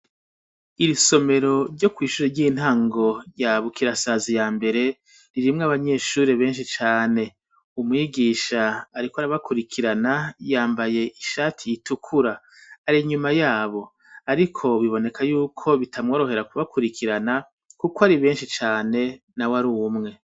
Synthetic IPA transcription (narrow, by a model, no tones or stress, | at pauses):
iɾiso̞me̞ɾo̞ɾɟo̞kwiːʃuːɾeɾɟiːn̥haːŋɡo̞jaβukiɾasazijaːmbe̞ɾe̞ | ɾiɾimŋaβaɲe̞ːʃuːɾe̞βe̞ːnʃit͡ʃaːne̞ | umŋiɡiːʃaːɾikoaɾaβakuɾikʰiɾanajaːmbaje̞ʔiʃaːtʰijitukʰuɾaː | ɾiɲumajaːβo̞ | aɾikʰo̞βiβo̞ne̞kʰajuːkʰo̞βitʰamŋo̞ːɾo̞he̞ɾakuβakuɾikʰiɾana | kukwaɾiβe̞ːnʃit͡ʃaːne̞ | nawaɾuːmŋe̞